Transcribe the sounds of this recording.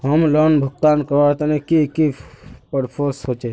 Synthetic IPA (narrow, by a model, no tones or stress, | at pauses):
ɦəmlonbʱʊk̚t̪aːnkət̪ənekikipəɾpʰoɾsot͡ʃe